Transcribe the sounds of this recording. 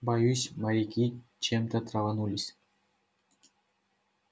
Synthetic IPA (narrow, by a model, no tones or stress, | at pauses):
bɑjuɕʲmɑɾʲikʲit͡ɕemt̪ə̆t̪rɑvɑnulʲisʲ